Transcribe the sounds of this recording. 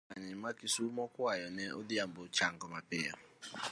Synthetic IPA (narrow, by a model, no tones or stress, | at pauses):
aɲɪmakisumɔkʊajɔnɛɔdɪam̩bʊt͡ʃaŋ̩kɔmapɪja